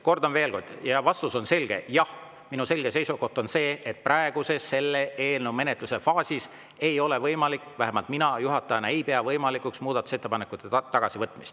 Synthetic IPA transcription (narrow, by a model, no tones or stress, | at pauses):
ko̞rd̪̥ɑnve̞ːlko̰rd̪̥jɑvɑst̪uso̞nse̞lɡ̥e̞̰jɑh | minuse̞lɡ̥e̞se̞jsuɡo̞ht̪ːˑo̞nse̞ːʔet̪̚prɑeɡ̥use̞sːe̞lːeʔe̞ːlnewme̞net̪ˑluse̞fɑːsis | e̞jo̞le̞vɤjmɑlikːˑvæɦemɑlt̪minɑjuɦɑt̪ːˑɑɑnɑejpe̞ɑvɤjmɑlikːˑuksmuːd̪̥ɑt̪ːˑu̥se̞t̪ːepɑnekːˑut̪ːˑet̪ɑɡ̥ɑsivɤt̪ːˑmist̪